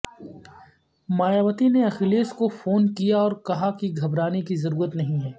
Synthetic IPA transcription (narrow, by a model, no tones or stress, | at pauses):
maːjaːʋət̪ineɐxleːskofoːnkijaɔːɾkɐɦakiɡʱɐbɾaːnikizɐɾuːɾət̪nɐɦĩɦɛː